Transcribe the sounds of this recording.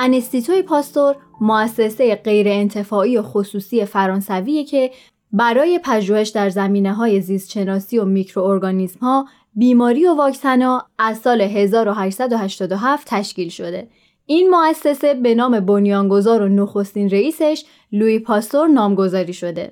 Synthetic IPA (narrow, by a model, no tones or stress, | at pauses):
ʔænest̪it̪ʰoipʰɒːst̪o̞ɾmoæsːe̞se̞jeɢe̞jɾe̞ːnt̪ʰe̞fɒːijo̞xosuːsie̞fæɾɒːnsæviːjecʰe̞ | bæɾɒːje̞pʰæʒuːhe̞ʃd̪æɾzæmiːne̞ɦɒːje̞zist̪ʃe̞nɒːsio̞micʰɾo̞ːɾɡɒːnizmhɒː | biːmɒːɾijo̞vɒːcsænɒːæzsɒːleɦe̞zɒːɾo̞ɦæʃsæd̪ohæʃt̪ɒːd̪o̞ɦæft̪ʰæʃciːlʃo̞d̪e̞ | ʔinmoæsːe̞se̞be̞nɒːme̞bonjɒːŋɡo̞zɒːɾo̞noxo̞st̪iːnɾe̞iːse̞ʃ | luipʰɒst̪o̞ɾnɒːmɡo̞zɒːɾiːʃo̞d̪e̞̰